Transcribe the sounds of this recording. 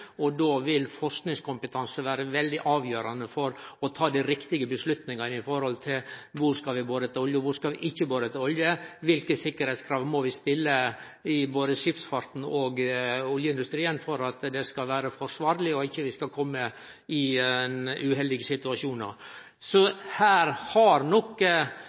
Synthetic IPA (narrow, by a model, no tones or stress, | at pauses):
ɔd̪oːʋɪlfɔɾsknɪŋskʊmpət̪ʰɑnsəʋæːɾəʋɛld̪ɪʔɑːʋjøːɾɑnəfɔɾɔt̪ʰɑːd̪ɪɾɪkt̪ɪɡəbəslʉt̪nɪŋɑnəɪfɔɾhɔlt̪ʰɪlʋʊɾskɑʋɪboːd̪ət̪ɪɔljəʋʊɾskɑʋɪʔɪçːəboːd̪ət̪ɔljəʋɪlkəsɪkːəɾhɛɪt̪skʰɾɑːʋmɔʋɪst̪ɪlːə | ɪboːd̪əʂɪpsfɑɾt̪n̩ɔɡɔljəɪnd̪ʉst̪ɾiːənfɔɾɑt̪d̪ɛskɑlʋæːɾəfɔʂʋɑːɾlɪɔɪçːəʋɪskɑkʰɔmːə | ɪnʉhɛld̪ɪɡəsɪt̪ʉɑʂuːnɑ̰ɾ | sɔhæːɾhɑɾnɔkː